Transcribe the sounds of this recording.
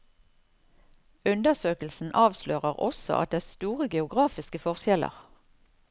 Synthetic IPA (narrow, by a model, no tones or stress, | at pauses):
ʉnd̪əʁsøːkəl̩sn̩ʔɑːʋsløːʁəʁɔ̰sɔ̰ʔɑ̰t̪̚d̪eːæːʁst̪uːʁəɡɛʊɡʁɑːfɪskəfɔʁʃjɛlə̰ʁ